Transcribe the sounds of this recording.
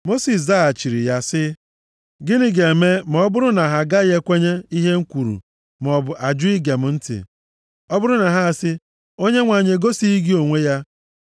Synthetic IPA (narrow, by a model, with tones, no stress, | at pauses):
mo˦si˨s̬za˦a˨t͡ʃi˨ɾḭ˨ja˦sɪ˦ | ɡɪ˦nɪ˦ɡe˨me˦m˨ɔ˦bʊ˦ɾʊ˦na˨ɦa˨ɡa˦je˦kʷe˦ɲe˦i˦ɦe˦ŋ̩˦kʷu˨ɾṵ˨ | m˨ɔ˨bʊ˨ʔa˨d͡ʒʊ˦i˦ɡe˨m̩˨˦n̩˦tɪ̰˨ | ɔ˦bʊ˦ɾʊ˦na˨ɦa˦a˨sɪ˦ | o˦ɲe˦ŋʷa˨ɲe˨ɡo˦si˦i˦ɡi˦o˨ŋʷe˦ja˦